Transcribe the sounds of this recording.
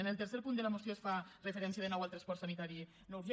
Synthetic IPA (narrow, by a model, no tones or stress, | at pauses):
ənəlˠt̪əɾseɾpund̪ələmosjoesfarəfəɾɛnsiəðənɔwalˠt̪ɾaspɔɾtsanit̪aɾi | nowz